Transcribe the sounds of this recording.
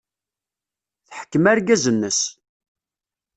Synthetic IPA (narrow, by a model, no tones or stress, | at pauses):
θħə̥kːəmæɾɡæzənːəs